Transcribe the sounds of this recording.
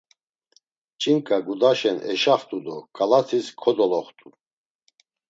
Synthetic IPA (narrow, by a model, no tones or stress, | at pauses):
t͡ʃʼiŋkʼaɡud̪aʃɛnɛʃaχt̪ʼud̪ɔkʼalat̪ʰiskʰɔd̪ɔlɔχt̪ʼu